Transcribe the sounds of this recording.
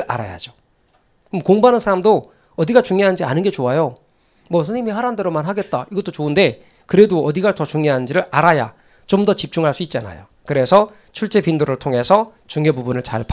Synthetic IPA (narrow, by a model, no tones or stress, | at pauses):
a̰ɾa̰ja̰d͡ʑo | kɯmokoŋbanɯnsʰaɾamdo | ʌdiɡat͡ɕuŋjoɦand͡ʑia̰nɯnɡe̞t͡ɕoajo | mʌsʰʌɲimihaɾande̞ɾomanɦaɡe̞t̚t͈a̰iɡʌt͈ot͡ɕoɯnde̞ | kɯɾe̞doʌdiɡatʌt͡ɕuŋɲjoɦand͡ʑiɾɯɾaɾaja̰ | t͡ɕomdʌt͡ɕip̚t͡ɕ͈uŋɦaɭs͈uit̚t͡ɕ͈ana̰jo̰ | kɯɾe̞sʰʌ | t͡ɕʰuɭt͡ɕ͈e̞pindoɾɯɭtʰoŋɦe̞sʰʌ | t͡ɕuŋjobubunɯɭt͡ɕa̰ɭp